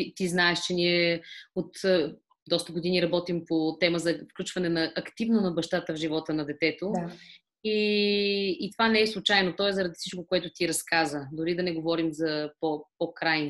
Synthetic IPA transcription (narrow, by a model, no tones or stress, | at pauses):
it̪iznaɛʃt͡ʃɛniɛot̪ | d̪ɔst̪əɡod̪iniɾɐbɔt̪impot̪ɛməzɐfklʲut͡ʃvɐnɛnɐʔɐkt̪ivnonɐbɐʃt̪at̪əvʒivɔt̪ənɐd̪ɛt̪ɛt̪o | iː | t̪ovanɛɛslˠut͡ʃajnot̪ɔɛszɐɾɐd̪i̥fsit͡ʃkokoɛt̪ʊt̪iɾɐskazvəd̪ʊɾid̪ɐnɛɡovɔɾimzɐpopokɾajn